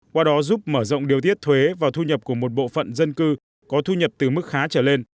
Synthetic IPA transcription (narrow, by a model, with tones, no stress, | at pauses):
kwaː˧ɗɔ˨˦zu˦˥p̚məː˧˩zɔ̰˧˨wŋ͡mɗi˨˩əwt̪i˦˥ət̚t̪ʰwe˨˦vaː˨˩wt̪ʰu˧ɲə˨˩p̚ku˧˩əmo˨˩t̚ɓo̰˧˨fə̰˧˨nzə˧nkɨ˧ | kɔ˨˦t̪ʰu˧ɲə˨˩p̚t̪ɨ˨˩mɨ˦˥k̚xaː˨˦t͡ɕəː˧˩le˧n